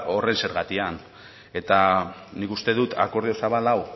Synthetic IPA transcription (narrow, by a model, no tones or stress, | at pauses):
o̞re̞nse̞ɾɣat̪ian | e̞t̪anikust̪e̞ðut̪a̰ko̞ɾðio̞saβalaw